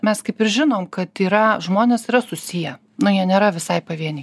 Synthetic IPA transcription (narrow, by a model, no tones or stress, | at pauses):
mʲɛskɐɪpɪɾʒʲɪnoːmkɐt̪iːɾɐʒmoːnʲeːsiːɾɐsʊsʲɪjɛ | nʊjiɛnʲeːɾɐʋʲɪsɐɪpɐʋʲiɛnʲɪ